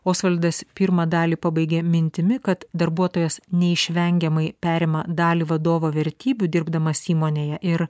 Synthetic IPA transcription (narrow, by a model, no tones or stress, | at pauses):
oːsʋɐlʲd̪ɐspʲiɾmɑd̪ɑːlʲiːpɑbɐɪɡʲeːmʲɪnʲt̪ʲɪmʲɪkɐt̪d̪ɐɾbuɔt̪oːjɛsnʲɛɪʃʲʋʲɛŋʲɡʲɛmɐɪpʲæːɾʲeːmɐd̪ɑːlʲiːʋɐd̪oːʋoːʋʲɛɾʲt̪ʲiːbʲud̪ʲɪɾbd̪ɐmɐsʲiːmoːnʲeːjɛʔɪɾ